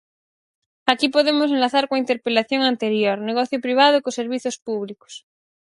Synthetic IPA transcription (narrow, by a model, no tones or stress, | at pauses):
akipoðemos̬enlaθaɾkwaint̪eɾpelaθjoŋant̪eɾjoɾneɣ̞oθjopɾiβ̞að̞okoseɾβ̞iθjospuβliko̥s